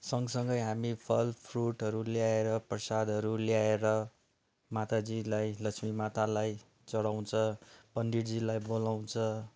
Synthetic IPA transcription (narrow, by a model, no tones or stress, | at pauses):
sʌŋɡsʌŋɡʌjɦamipʰʌlpʰruʈɦʌɾuljaeɾʌprʌsad̪ʱʌɾuljaeɾʌ | mat̪ad͡zilajlʌksmimat̪alaj | t͡sʌɽaw̃t͡sʰʌ̃pʌnd̪iɽd͡zilajbolaw̃t͡sʰʌ̃